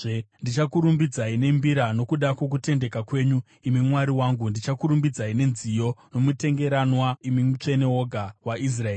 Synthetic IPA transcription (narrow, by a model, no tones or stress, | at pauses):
ndit͡ʃakuɾumbid͡zaine̞mbiɾano̞kuɗako̞k̬ute̞nde̞kakwe̞ɲu | imimwaɾiwaːŋɡundit͡ʃakuɾumbid͡zaine̞nzijo̞no̞mute̞ŋɡe̞ɾanwaimimut͡ʂe̞ne̞o̞ɡʱawaʔis̬raeː